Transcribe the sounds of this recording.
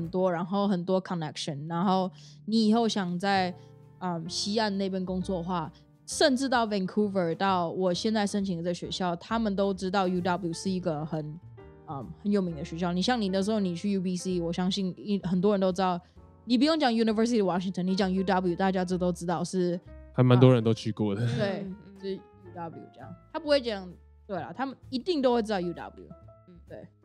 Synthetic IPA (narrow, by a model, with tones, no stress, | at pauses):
ə˨˩nt̪wɔ˥ɻa˧˥nxo˥˩ʊxə˨˩nt̪wɔ˥kʰə˨nɛ˥kʂə˨˦nɻa˧˥nxo˥˩ʊ | ni˧˩i˨˩xo˥˩ʊɕjɑ˨˩ŋt͡sa˥˩ɪ | ə˨˩mɕi˥a˥˧nne˥˩ɪp̬jɛ˥nkʊ˥ŋt͡swɔ˥˩xwa˥˩ | ʂə˥˧nʈ͡ʂɻ̩˥˧t̪ɑ˥˩ʊwɛ˥˩nkʰu˥və˨˩t̪ɑ˥˩ʊwɔ˨˩ɕjɛ˥˧nt͡sa˥˩ɪʂə˥nt͡ɕʰi˨˥ŋə˧˩ə˧˩ɕɥɛ̰˧˥ɕjɑ˥˩ʊt̪ʰa˥mə˨nt̪o˥ʊʈ͡ʂɻ̩˥t̪̬ɑ˥˩ʊju˥dɑ˥blju˨˩ʂɻ̩˥˩i˧˥ɡə˨xə˨˩n | ə˩mxə˧˦njo˨˩ʊmi˧˥ŋd̪ə˧ɕɥɛ˧˥ɕjɑ˥˩ʊni˨˩ɕ̬jɑ˥˩ŋni˨˩nə˦ʂɻ̩˧˥xo˥˩ʊni˨˩t͡ɕʰy˥˩ju˥bi˥si˥wɔ˨˩ɕjɑ˥ŋɕi˥˩ni˥˩xə˨˩nt̪wɔ˥ɻə˧˥nt̪o˥ʊʈ͡ʂ̩̪˥ɑ˥˩ʊ | ni˨˩p̬u˧˥jo˥˩ŋt͡ɕjɑ˨˩ŋju˧˥ni˧və˞˥si˧t̪ʰi˥˩ə˨wɑ˧˥ɕi˧˥ŋt̪ʰə˥˩ni˧˥t͡ɕjɑ˨˩ŋju˥d̪ɑ˥blu˨˩t̪a˥˩t͡ɕja˥ʈ͡ʂɔ˥˩˧t̪o˥ʊʈ͡ʂɻ̩˥t̪ɑ˥˧ʊʂɻ̩˥˩xa˨˧˥nma˧˦nt̪wɔ˥ɻə˧˥nt̪o˥ʊt͡ɕʰy˥˧kwɔ˥˩d̪ə˨˩t̪we˥˩ɪ˥˩ʂɻ̩˥ju˥d̪ɑ˥bljṵ˨˩ʈ͡ʂɤ˥˧jɑ̰˥˩ŋt̪ʰa˥pu˧˥xwe˥˩ɪʈ͡ʂjɑ˥˨˩ŋ | t̪we˥˩ɪlɐ̰˩t̪ʰa˥mə˨ni˧˥t̪i˥˩ŋt̪o˥ʊxwe˥˩ɪʈ͡ʂ̩̪˥ɑ˥˩ju˥d̪ɑ̰˥bljṵ˨˩n̩˥˩t̪we˥˩ɪ